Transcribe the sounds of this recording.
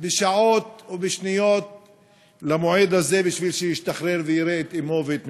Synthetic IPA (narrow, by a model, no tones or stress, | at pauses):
beʃaot̪obeʃnijo̞t̪̚ | lamoʕed̪haze̞biʃvilʃejiʃt̪aχɾeʁvejiɾeːt̪imo̞veet̪